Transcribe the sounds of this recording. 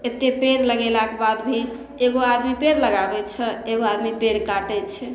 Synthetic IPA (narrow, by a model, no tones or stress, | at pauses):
et̪ːepeɾləɡelakebad̪bʱi | eɡoad̪mipeɾləɡabɛt͡ʃʰɛeɡoad̪mipeɽkaʈɛt͡ʃʰɛ